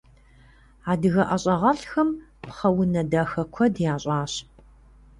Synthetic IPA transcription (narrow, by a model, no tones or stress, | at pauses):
aːdɨɣɐʔɐɕʼɐʁɐɬxɐmpχɐwʊnɐdaːxɐkʷʰɔdjaːɕʼaːɕ